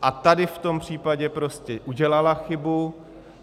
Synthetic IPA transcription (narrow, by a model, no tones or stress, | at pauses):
ʔat̪adɪft̪o̞mpr̝̥iːpaɟɛpɾo̞scɛʔuɟɛlalaxɪbu